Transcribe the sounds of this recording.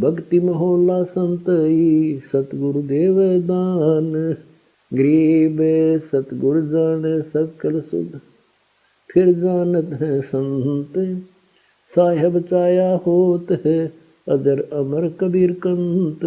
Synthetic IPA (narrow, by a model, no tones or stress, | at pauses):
bɐɡt̪imɐɦoːlaːsɐnt̪isɐt̪ɡʊɾud̪eːʋed̪aːn | ɡɾiːbesɐt̪ɡʊɽd͡ʒaːnesɐkɐlsʊ̰d̪ | pʰɪɾd͡ʒaːnɐt̪ɦɛ̃sɐ̃nt̪ | saːɦɐbt͡ʃaːjahoːt̪ɦ | ɐ̰d̪ɐɾɐmɐɾkɐbiːɾkɐnt̪